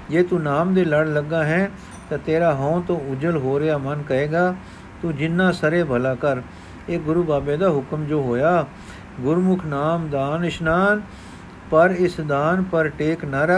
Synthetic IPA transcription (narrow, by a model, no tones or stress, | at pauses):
d͡ʒeːt̪uːnaːmd̪eːləɽləɡːaːɦɛ̃ː | t̪ãːt̪eːɾaːɦɔ̃ːt̪õːʊd͡ʒəlɦoːɾɪjaːmənkəeːɡaː | t̪ũːd͡ʒɪnːãːsəɾeːbʱəlaːkəɾ | eːɡʊɾuːbaːbeːd̪aːɦʊkəmd͡ʒoːɦoːjaː | ɡʊɾmʊkʰnaːmd̪aːnɪʃnaːn | pəɾɪsd̪aːnpəɾʈeːknaːɾə